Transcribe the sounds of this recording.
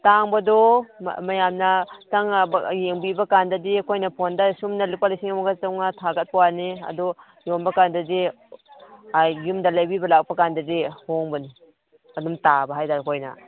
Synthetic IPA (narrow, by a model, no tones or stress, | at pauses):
taŋbɐdɔmajamnɐtaŋjeŋbibakandɐdikʰojnɐpʰondasumnalipalisiŋamaɡasawŋnatʰaɡɐt̚pɐwaniɐ̰dɔ | jonbakandadi | aːumdalajbibɐlak̚pakandɐdihoŋbɐni | ɐdumtabaɦajtadkʰojna̰